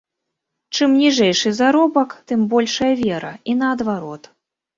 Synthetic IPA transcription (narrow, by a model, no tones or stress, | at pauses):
t͡ʂɨmnʲiʐɛjʂɨzaɾɔbɐkt̪ɨmbɔlʲʂɐjɐvʲɛɾɐinɐːd̪vaɾɔt̪